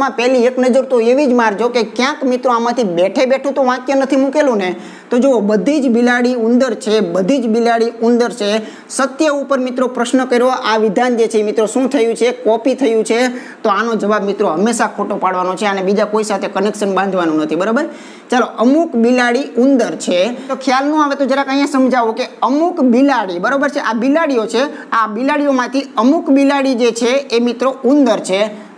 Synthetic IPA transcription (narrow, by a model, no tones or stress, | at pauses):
mãpɛɦlieknəd͡ʒəɾt̪oeʋid͡ʒmaɾd͡ʒokekjãkmit̪ɾoamãt̪ʰibɛʈʰebeʈʰũt̪oʋãkjənət̪ʰimukelũne | t̪od͡ʒobəd̪ʱid͡ʒbilaɽiund̪əɾt͡ʃʰebəd̪ʱid͡ʒbilaɽiund̪əɾt͡ʃʰe | sət̪jəupəɾmɪt̪ɾopɾəʃnəkəɾiɾoaʋid̪ʱand͡ʒet͡ʃʰemɪt̪ɾoʃũt̪ʰəjũt͡ʃʰekɔpit̪ʰəjũt͡ʃʰe | t̪oanod͡ʒəʋabmit̪ɾoɦəmːeʃakʰoʈopaɽʋanot͡ʃʰeanebid͡ʒakoisat̪ʰekənekʃənbãnd̪ʱʋanũnət̪ʰibəɾabəɾ | t͡ʃaloʔəmukbilaɽiund̪əɾt͡ʃʰet̪okʰjalnũaʋet̪od͡ʒaɾakə̃ɦjãsəmd͡ʒaʋũkeəmukbilaɽibəɾobəɾt͡ʃʰeʔabilaɽijot͡ʃʰe | abilaɽiomãt̪ʰiəmukbilaɽid͡ʒet͡ʃʰeːmit̪ɾound̪əɾt͡ʃʰe